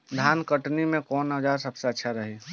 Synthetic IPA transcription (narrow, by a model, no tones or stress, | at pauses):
d̪ʱaːnkəʈnimẽkɔːnɦəd͡ʒaːɾsəbseətːʃʰaɾəɦe